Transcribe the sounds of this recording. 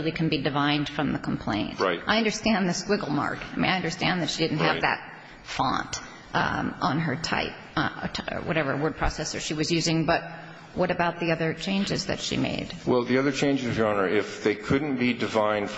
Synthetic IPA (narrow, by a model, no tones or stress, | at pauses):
lˠikʰn̩bidɨvãɪ̃nd̥fɹʌ̃mðəkʰm̩pʰl̥ḛ̃ɪ̃ntɹaɪtʔaɪʌ̃ndə˞stæ̃nðɨskwɪɡl̩ˠmɑ̰ɹkaɪmĩnaɪʌ̃ndə˞stæ̃nðɨtʃidɪdⁿn̩tɨvðɨ̰t̚ | fɑ̰̃nt | ʔə̃nə˞tʰa̰ɪp̚ | wʔʌɾɛvə̰˞wɜ˞d̚pʰɹ̥ɔ̰sɛsə˞ʃiwʌzjʉzɪ̃ŋbʌt̚ | wʌɾɨbaʊt̪̚ðiʌðə˞t͡ʃʰẽɪ̃nd͡ʒɨzðɨ̰tʃḭmḛɪd̥wɛlˠðiʌðə˞t͡ʃʰẽɪ̃nd͡ʒzʌvʒɑnə˞ɪfðeɪkʰʊdⁿn̩b̥idɨvãɪ̃nd̥